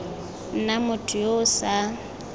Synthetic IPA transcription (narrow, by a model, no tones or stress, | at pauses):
n̩namʊtʰʼʊjosa